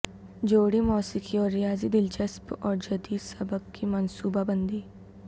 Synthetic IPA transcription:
d͡ʒoːɽimɔːsɪkʰiɔːɾːɪjaːzid̪ɪld͡ʒəspɔːɾd͡ʒɐd̪iːd̪sɐbəkːimənsuːbabənd̪iː

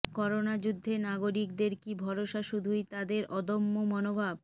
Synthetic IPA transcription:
kɔɾonad͡ʑud̪ʱːenaɡoɾik̚d̪eɾkibʱɔɾoʃaʃud̪ʱujt̪ad̪eɾʔɔd̪omːomɔnobʱab̚

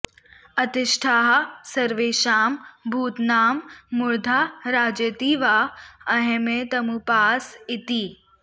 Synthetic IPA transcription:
ɐt̪ɪʃʈʰaːɦsɐɾʋeːʃaːmbʱuːt̪naːmːʊɾd̪ʱaɾaːd͡ʒət̪iʋaːɐɦẽmẽt̪ɐmũpaːsɪt̪iː

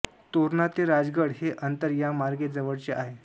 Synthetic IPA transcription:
t̪oɾnat̪eɾad͡zɡəɽɦeʔənt̪əɾjamaɾɡed͡zəʋəɽt͡ɕeʔaɦe

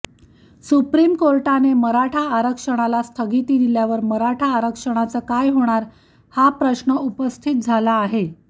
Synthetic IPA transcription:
supɾimkoɾʈaneməɾaʈʰaːɾəkʂəɽ̃alast̪ʰəɡit̪iːd̪iljaʋəɾməɾaʈʰaːɾəkʂəɽ̃at͡səkajɦoɽ̃aɾ | hapɾəɕɳəʔupəst̪ʰit̪̚d͡zʱalaːɦe

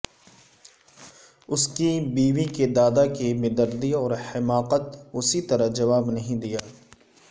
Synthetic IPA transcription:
ʊskibiːʋiked̪aːd̪akibɪd̪əɾd̪iɔːɾhɪmaːqət̪ʊsit̪ɐɾəɦd͡ʒɐʋaːbnɐɦĩd̪ijaː

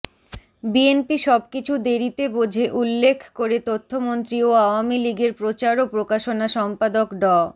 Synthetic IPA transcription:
bienpiʃɔb̚kit͡ɕʰud̪eɾit̪ebod͡ʑʱeʔulːekʰkoɾet̪ot̪ʰːomont̪ɾioaoamiliɡeɾpɾot͡ɕaɾopɾokaʃonaʃɔmpad̪okɖɔ

